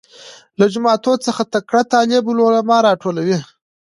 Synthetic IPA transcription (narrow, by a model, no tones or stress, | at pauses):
lad͡ʒʊmɑt̪ot͡səxat̪akɽat̪ɑːlɪblolamɑɾɑʈʰolawi